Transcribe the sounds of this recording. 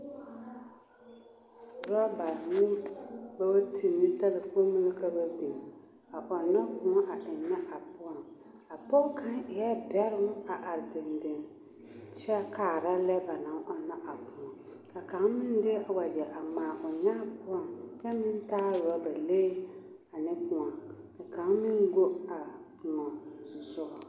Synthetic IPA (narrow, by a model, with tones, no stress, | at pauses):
ɾa˦ba˨nʊ˦ba˦wa˦tʰi˨nːɪ˦ta˦lɪ˨ko˦mɪ˦lɪ˦ka˦ba˦bi˨n | a˨ʔɔ˨nːɔ˦kʊ˨ɔ˦ʔa˨ʔɪ˨nːɛ˦ʔa˨pʊ˦ɔ˨ŋ | a˨pɔ˦ka˦ŋɪ˨jɛ˦bɛ˦ɾʊ˦ŋ˦a˨ʔa˨ɾdɪ˨ndɪ˨ŋ | t͡ʃɛ˦kaː˨ɾa˦lɛ˦ba˨na˨ŋɔ˦na˦ʔa˨pʊ˨ŋa˨ | ka˨ka˨˦ŋmɪ˦n˦dɪ˦a˨wa˨d͡ʒɛ˨ʔa˨maː˨ʔʊ˨ɲa˦pʊ˦a˨ŋt͡ʃɛ˦mɪ˦n˦taː˦ɾʊ˨a˦ba˨leː˦ | a˨nɪ˦pu˨ŋa˨ka˨ka˨˦ŋmɪ˦n˦ɡo˦a˨pu˨ŋa˨zu˨zʊ˦ʔ